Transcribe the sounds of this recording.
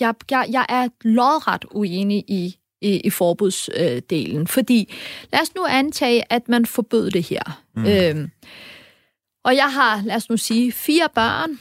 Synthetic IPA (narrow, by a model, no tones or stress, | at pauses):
jɑ̈jɑ̈ɪjɑ̈ɪʔæɐlɒðˠʁɑ̈d̥ueːniʔi | iʔifɒːb̥uð̰ˠsød̥e̝̰ːln̩fɒ̽d̥ḭːlæɐsnuænt͡sʰɛ̰ːɪʔæd̥mænfɒ̽b̥øð̰ˠd̥e̝heɐ̰ | øm | ʔɒ̽jɑ̈ɪɦɑ̈læɐsnusiːfiːɐb̥ɶɐ̰n